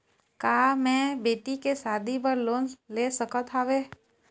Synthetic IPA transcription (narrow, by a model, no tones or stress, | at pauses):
kaːmɛ̃beːʈikesaːd̪ʱibəɾloːnleːsəkət̪ʰaːʋeː